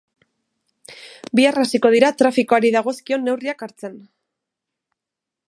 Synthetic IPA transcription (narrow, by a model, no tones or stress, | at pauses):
biarasiko̞ð̞iɾat̪ɾafikoaɾiðaɣ̞o̞skio̞nːe̞wriakaɾt͡se̞n